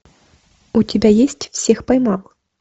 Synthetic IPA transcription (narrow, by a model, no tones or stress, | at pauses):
utʲɪbʲajesʲtʲfsʲexpajmalˠ